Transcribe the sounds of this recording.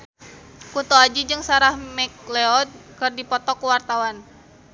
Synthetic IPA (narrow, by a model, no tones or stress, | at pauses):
kut̪oad͡ʒid͡ʒɨŋsaɾahmɛk̚lɛɔt̪̚kɨrdipɔt̪ɔkuwart̪awan